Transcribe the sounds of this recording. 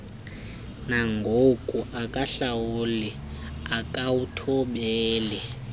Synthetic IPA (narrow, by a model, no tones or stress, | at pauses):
naŋɡʱokʼuʔakʼaɬawuli | akʼawutʰɔɓɛːlɛ